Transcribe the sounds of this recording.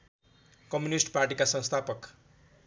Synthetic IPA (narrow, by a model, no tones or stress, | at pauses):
kʌmjunisʈparʈikasʌ̃w̃st̪ʰapʌk